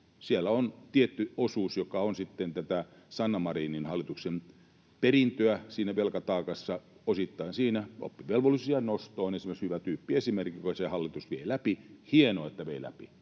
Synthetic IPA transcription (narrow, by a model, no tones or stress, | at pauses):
sielːæont̪iet̪ːyosuːsjokɑonsit̪ːent̪æt̪æ | sɑnːɑmɑriːninhɑlːit̪uksem | perint̪øæsiːnæʋelkɑt̪ɑːkɑsːɑosit̪ːɑinsiːnæʔo̰pːiʋelʋolːisiɑnost̪oːnensimekshyʋæt̪yːpːiesimerkːˑikosehɑlːit̪usʋiḛilæpihienoːet̪ːæʋeilæ̰pḭ